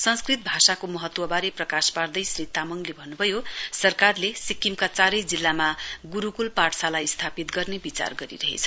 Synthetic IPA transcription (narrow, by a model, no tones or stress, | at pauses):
sʌnskrit̪̚bʱasakomʌɦʌt̪ːwʌbaɾeprʌkaspard̪ʌjsrit̪amʌŋlebʱʌnːubʱʌjosʌrkarlesikːimkat͡saɾʌjd͡zilːamaɡuɾukulpaʈsalajst̪ʰapit̪ɡʌrnebit͡sa̰rɡʌɾḭɾʌɦḛt͡sʰʌ